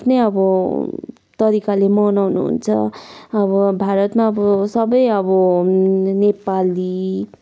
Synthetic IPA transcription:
pʰnʌjʌbʌ | t̪ʌɾikalemʌnawnṵɦṵnt͡sʰʌ̰ʌbʌbʱaɾʌt̪maʌbʌsʌbʌjʌbʌ | nepali

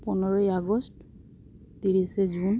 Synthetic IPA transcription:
pɔnɔɹɔjaɡɔst | tiɹisɛzun

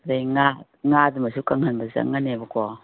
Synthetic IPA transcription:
ɾejŋat̚ŋatmasukaŋhanbaza̰ŋːanebakɔ

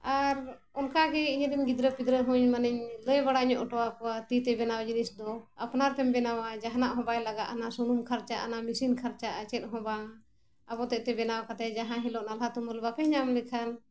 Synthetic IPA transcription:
aɾ | ɔnkaɡɛiɲd̪imɡid̪ɾəpid̪ɾəɦũɲmaniɲləjbaɽaɲɔʔɔʈɔwakɔwat̪it̪ɛbɛnawd͡ʒinisd̪ɔa̰pnaɾt̪ɛmbɛnawad͡ʒaɦnaʔɦɔ̃bajlaɡat̪anasunumkʰaɾt͡ʃaʔa̰namisinkʰaɾt͡ʃaʔat͡ʃɛt̪̚ɦɔ̃ba | abɔt̪ɛʔt̪ɛbɛnawakat̪ɛd͡ʒaɦãɦilɔʔnalɦat̪umɔlbakɛɲamlɛkʰan

